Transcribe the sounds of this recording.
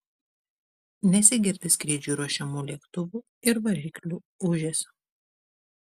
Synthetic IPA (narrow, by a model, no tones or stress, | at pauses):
nʲɛsʲɪɡʲɪɾʲt̪ʲɪskɾʲiːd͡ʒʲuːɾuɔʃʲɛmuːlʲiɛkt̪ʊʋuː | ɪɾʋɐʒʲiːklʲuː | ʊʒʲɛsʲʊ